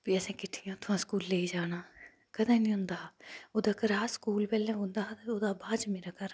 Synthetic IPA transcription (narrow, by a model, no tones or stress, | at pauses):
piːəsɛ̃ːkɪʈʰːɪjãːt̪ʰʊãːskuːlːeːiːd͡ʒaːnaː | kəd̪ãːnĩːɦʊ̃nd̪aːoːd̪aːkəɾaːskuːlpɛːlɛ̃ːɦʊ̃nd̪aːɦt̪ːoːd̪aːbaːd͡ʒmeːɾaːkəɾ